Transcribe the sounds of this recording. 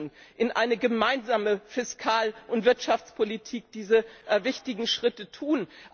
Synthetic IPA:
nʔɪnʔa̰ɪnəɡəmaɪnzaːməfɪskʰaːlʔʊntv̥ɪɐtʃaft͡spʰolitʰiːk̚d̥iːzəvɪçtɪɡŋ̩ʃʁ̥ɪtətʰuːn

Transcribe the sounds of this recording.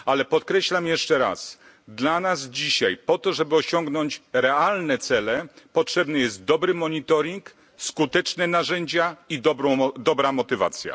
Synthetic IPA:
alɛpɔt̪kɾɛɕlamjɛʂt͡ʂɛɾa̰s | d̪lanazd͡ʑiɕa̰jpɔt̪ɔʐɛbɘɔɕɔŋɡnɔɲt͡ɕɾɛalnɛt̪sɛlɛpɔtʂɛbnɛjɛst̪̚d̪ɔbɾɘmɔɲit̪ɔɾʲiŋk | skut̪ɛt͡ʂnɛnaʐɛɲd͡ʑaid̪ɔbɾɔd̪ɔbɾamɔt̪ɘva̰t̪sʲja̰

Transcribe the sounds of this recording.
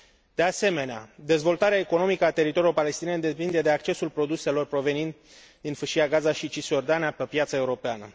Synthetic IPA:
d̪̥e̞ase̞me̞nea̰d̪e̞zvo̞lt̪aɾeaeko̞no̞mikəat̪e̞ɾit̪o̞ɾiuopale̞st̪inend̪e̞pind̪e̞d̪e̞ak̚t͡ʃe̞sulpɾo̞d̪use̞lo̞rpɾo̞ve̞nint̪ | d̪infɨʃijaɡazaʃit͡ʃisjo̞rd̪anijapepjat̪səe̞uɾo̞peanə̰

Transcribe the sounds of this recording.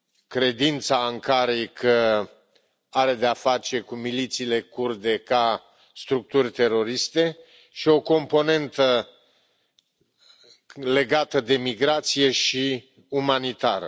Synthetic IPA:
kɾe̞d̪int̪saaŋkaɾejkʰə | aɾe̞d̪e̞afat͡ʃe̞kumilit̪siːle̞kurd̪e̞ka | st̪ɾuk̚t̪urʲt̪e̞ɾo̞ɾist̪e̞ | ʃio̞ko̞mpo̞ne̞nt̪ə | le̞ɡat̪əd̪e̞miɡɾat̪sije̞ʃi | umanit̪aɾə̰

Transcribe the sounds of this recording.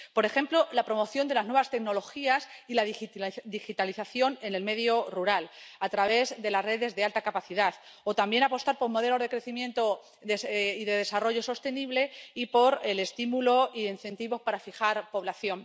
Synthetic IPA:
po̞ɾe̞xe̞mplo̞lapɾo̞mo̞θjo̞nd̪e̞laznweβast̪e̞kno̞lo̞xiasilaðd̪ixit̪aliθaθjo̞ne̞ne̞lme̞ðjo̞ruɾalat̪ɾaβe̞zd̪e̞lazre̞ðe̞zðe̞alt̪akapaθiðað | o̞t̪ambje̞napo̞st̪aɾpo̞ɾmo̞ð̞e̞lo̞zðe̞kɾeθimjẽ̞nt̪o̞ | esiðe̞ðe̞saro̞ʝo̞so̞st̪e̞niβle̞ipo̞ɾe̞le̞st̪imulo̞iðeinθe̞nt̪iβo̞spaɾafixaɾpo̞β̞laθjo̞n

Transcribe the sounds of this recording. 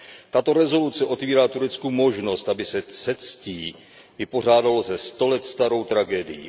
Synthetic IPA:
t̪at̪o̞ɾɛzo̞lut͡sɛʔo̞t̪viːɾaːt̪uɾɛt͡skumo̞ʒno̞st̪ʔabɪsɛsɛt̪sciː | vɪpo̞r̝aːdalozɛst̪o̞lɛt̪st̪aɾo̞wt̪ɾaɡɛːdɪ̰jḭ

